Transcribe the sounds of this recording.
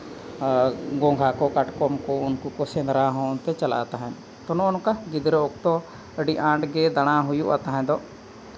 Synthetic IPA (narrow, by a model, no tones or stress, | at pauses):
ɡɔ̃ŋɡʱakɔkaʈkɔmkɔunkukɔsɛnd̪ɾaɦɔ̃nt̪ɛt͡ʃala̰t̪aɦɛ̃n | t̪ɔnɔɔnkaɡid̪ɾɔɔk̚t̪ɔ | əɖiʔãɳʈɡɛd̪aɽ̃aɦujuʔa̰t̪aɦɛ̃d̪ɔ